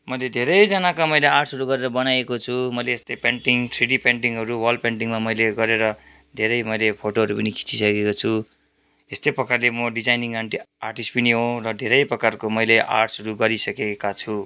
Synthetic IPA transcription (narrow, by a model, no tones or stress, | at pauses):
mʌjled̪ʱeɾʌjd͡zʌnakamʌjlearʈsʌɾuɡʌɾeɾʌbʌnajekot͡sʰumʌjleːst̪ʌjpeɳʈiŋt̪ʰriɽipeɳʈiŋɦʌɾuwʌlpeɳʈiŋmamʌjleɡʌɾeɾʌ | d̪ʱeɾʌjmʌjlepʰoʈoɦʌɾupʌnikʰi̥t͡sisʌkekot͡sʰu | est̪ʌjprʌkarlemʌɖid͡zajniŋaɳʈiarʈispʌniɦõrʌd̪ʱeɾʌjprʌkarkomʌjleʔa̰rʈsɦʌɾuɡʌɾisʌkekat͡sʰu